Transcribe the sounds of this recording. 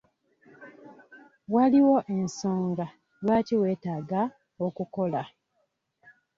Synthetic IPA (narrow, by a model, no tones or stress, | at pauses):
waliwo̞ʔenso̞ːŋɡa | lwaːtiwe̞ːtaːɡa | okuko̞la